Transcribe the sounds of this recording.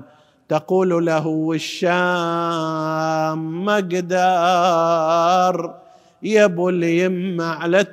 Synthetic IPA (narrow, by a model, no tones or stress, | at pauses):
t̪aquːlulaɦuɪʃːaː | mːaɡd̪ɑ | ɾˤ | jabuljɪmmaʕla